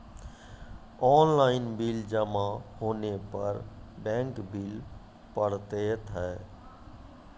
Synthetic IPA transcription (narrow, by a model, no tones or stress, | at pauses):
ɔːnlaɪnbild͡ʒəmahoːnepəɾbɛ̃ŋkbil | pəɽt̪et̪ʰɛ